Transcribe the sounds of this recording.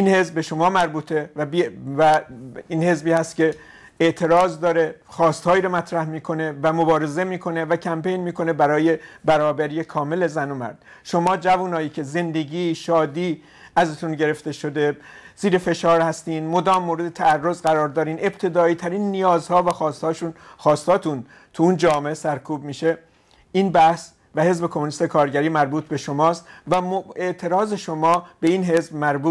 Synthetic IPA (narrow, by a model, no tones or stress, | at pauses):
ʔiːnhe̞zbbe̞ʃo̞mɒːmæɾbuːt̪ʰe̞væbivæiːnhe̞zbiːhæst̪̚cʲe̞ | eʔt̪ʰe̞ɾɒːzd̪ɒːɾe̞ | xɒːst̪hɒːjiːɾomæt̪ʰɾæhmiːkʰo̞ne̞væmobɒːɾe̞ze̞miːkʰo̞ne̞væcʰæmpe̞jnmiːko̞ne̞bæɾɒːje̞bæɾɒːbæɾiːekʰɒːme̞lezænomæ̰ɾd̪̥ | ʃo̞mɒːd͡ʒævuːnɒːiːcʰe̞ze̞nd̪e̞ɟiːʃɒːd̪iː | ʔæzet̪ʰunɟe̞ɾe̞ft̪e̞ʃod̪e̞z̥iːɾefe̞ʃɒːɾhæst̪iːnmod̪ɒːmːoːɾe̞d̪et̪ʰæærːozɢæɾɒːɾd̪ɒːɾiːne̞b̥t̪ʰe̞d̪ɒːiːt̪ʰæɾiːnːijɒːzhɒːvæxɒːst̪hɒːʃuːnxɒːst̪hɒːt̪ʰun | t̪ʰuund͡ʒɒːmeʔesæɾkʰuːbmiːʃe | ʔiːnbæhs | væhe̞zbe̞kʰomunist̪ekʰɒːɾɟæɾiːmæɾbuːt̪ʰbe̞ʃomɒːst̪væme̞ʔt̪ʰe̞ɾɒːze̞ʃomɒːb̥e̞inɦe̞zbmæɾbuː